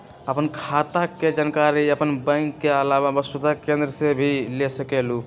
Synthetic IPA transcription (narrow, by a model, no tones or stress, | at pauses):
əpənkʰat̪aked͡ʒənkaɾiəpənbə̃ɪŋkːeəlababəst̪ut̪akẽnd̪ɾəsebʱilesəkelu